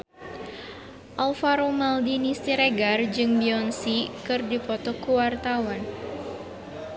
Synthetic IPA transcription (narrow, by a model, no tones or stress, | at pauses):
ʔalfaɾomaldinist̪iɾeɡard͡ʒɨŋbiɔnsikɨrdipɔt̪ɔkuwart̪awan